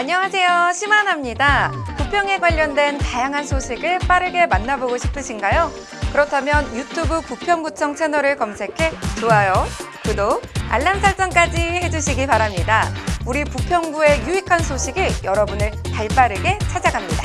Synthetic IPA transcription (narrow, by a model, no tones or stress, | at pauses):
aɲʌŋas̬ʰe̞joɕʰimanɦamɲidapupʰjʌŋe̞ɡwaʎːʌndwe̞ntajaŋɦansʰoɕʰiɡɯɭp͈aɾɯɡe̞manːaboɡoɕʰi̥pʰɯɕʰinɡajo | kɯɾʌtʰamjʌnjutʰubɯpupʰjʌŋɡut͡ɕʰʌŋsʰe̞nʌɾɯɭkʌmsʰe̞kʰe̞t͡ɕoajo | kɯdoa̰ɭːamsʰaɭt͡ɕ͈ʌnk͈ad͡ʑihe̞d͡ʑuɕʰiɡipaɾamɲidauɾipupʰjʌŋɡue̞juikʰansʰoɕʰiɡɯjʌɾʌbunɯɭtaɭp͈aɾɯɡe̞t͡ɕʰad͡ʑaɡamɲida